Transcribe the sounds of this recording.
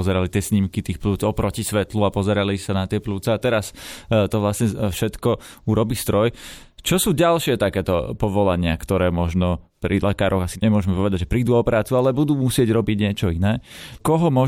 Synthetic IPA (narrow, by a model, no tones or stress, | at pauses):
ɔzɛɾalit̪ɪɛsɲimkit̪iːxpluːt͡sɔpɾɔcisʋɛt̪luapɔzɛɾalisanat̪ɪɛpluːt͡sɛat̪ɛɾast̪ɔʋlasɲɛfʃɛt̪kɔuɾɔbiːst̪ɾɔj | t͡ʃɔsuːɟalʃɪɛt̪akɛːt̪ɔ̰pɔʋɔlaɲɪakt̪ɔɾɛːmɔʒnɔpɾilɛkaːɾɔɣasiɲɛmʊɔʒmɛpɔʋɛd̪aɟʒɛpɾiːd̪uːɔpɾaːt͡sualɛbud̪uːmusɪɛɟɾɔbiɟɲɪɛt͡ʃɔinɛːkɔɦɔmɔ